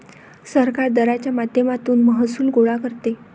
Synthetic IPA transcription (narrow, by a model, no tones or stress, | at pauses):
səɾkaɾd̪əɾat͡ɕjamad̪ʱjəmat̪uːnməɦəsuːlɡoɭakəɾt̪e